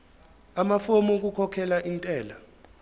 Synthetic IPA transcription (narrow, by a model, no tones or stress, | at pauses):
amafomuk̬ukʰɔkʰɛlaʔintʼɛːla